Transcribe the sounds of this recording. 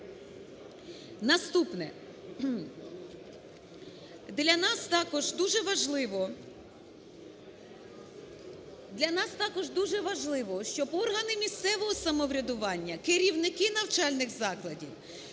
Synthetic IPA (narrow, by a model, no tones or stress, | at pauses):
nɐst̪upnɛ̰ | d̪lʲɐnɑst̪ɑkɔʒd̪uʒɛʋɐʒlˠɪʋɔ | d̪lʲɐnɑst̪ɑkɔʒd̪uʒɛʋɐʒlˠɪʋɔʃt͡ʃɔbɔrɦɐnɪmʲist̪sɛʋɔɦɔsɐmɔʋɾʲɐd̪ʊʋɑnʲːɐkɪɾʲiwnɪkɪnɐwt͡ʃɑlʲnɪxzɑklˠɐdʲiw